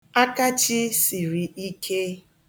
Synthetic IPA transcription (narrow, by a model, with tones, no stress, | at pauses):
a˦ka˦t͡ʃi˦si˨ɾi˨i˦kʰe˦